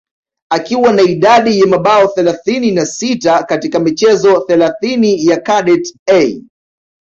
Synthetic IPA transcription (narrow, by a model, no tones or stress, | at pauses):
akiwanaiɗaɗijamaɓaɔθɛlaθininasitakatikamit͡ʃɛzɔθɛlaθinijakaɗɛtɛj